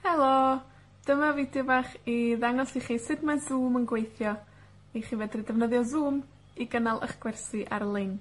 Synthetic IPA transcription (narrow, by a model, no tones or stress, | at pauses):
hɛlˠo | d̥əmavidɪvaχiðaŋɔsiχiːsɨdmansuːmənɡwejθjɔ | iχiːvɛdridɛvnəðjɔzuːm | iɡənalˠʔə̰χɡ̥wɛrsɨʔaɾlˠɪn